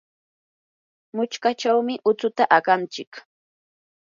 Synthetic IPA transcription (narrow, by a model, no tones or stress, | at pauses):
mʊt͡ʃkat͡ʃawmɪʔʊt͡sʊt̪aʔaɢant͡ʃɪk